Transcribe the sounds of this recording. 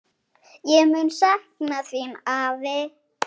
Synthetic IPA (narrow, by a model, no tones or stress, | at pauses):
jɛɣmʏnsahknaθvimav